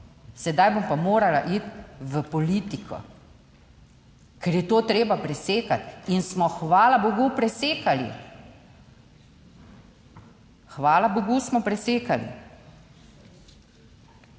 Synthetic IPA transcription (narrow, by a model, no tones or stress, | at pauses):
sɛd̪ajbompamoːɾalaʔit̪ʋəpɔliːt̪ikʰɔ̰ | kɛɾjɛt̪oːt̪ɾeːbapɾɛseːkat̪insmɔxʋaːlaboɡupɾɛseːkalḭ | xʋaːlaboɡusmɔpɾɛseːkalḭ